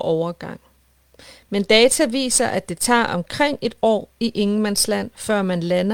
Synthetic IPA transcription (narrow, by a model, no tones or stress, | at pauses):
ʔɒʊɐɡ̥ɑ̈ŋ̰ | mend̥ɛːt͡sʰæʋḭːsɐʔæd̥e̝t͡sʰɑ̰̈ːɒ̽mkʰʁeŋ̰e̝d̥ɒ̰ːiʔe̝ŋ̩mænslæn̰fɶɐ̰mænlænɐ